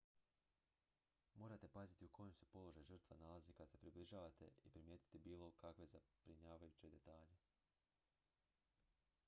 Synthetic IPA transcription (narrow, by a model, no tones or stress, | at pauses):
mo̞ːɾat̪e̞pazit̪iukʰo̞jemse̞po̞lˠo̞ʒajʒɨr̩t̪ʋanalazikad̪se̞pɾibliʒaːʋat̪e̞̰ipɾimje̞ːt̪i̥t̪ibiːlˠo̞kakʋe̞zab̥ɾiɲaːʋajut͡ɕe̞d̪e̞t̪aːʎe̞